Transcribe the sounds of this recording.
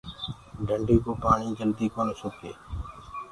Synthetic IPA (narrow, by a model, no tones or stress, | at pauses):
ɖʱəɳɖiːkoːpaːɳiːd͡ʒəld̪iːkoːnsʊkʰḛː